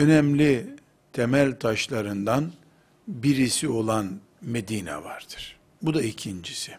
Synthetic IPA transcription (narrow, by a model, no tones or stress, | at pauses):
ø̞nɛmlʲi | t̪ʰemælʲt̪ʰaʃlˠaɾɯnd̪an | biɾisio̞lˠan | me̞d̪iːnɛ̰vaɾd̪̥ɯ̥ɾ̥ | bud̪aicʰind͡ʒisi̥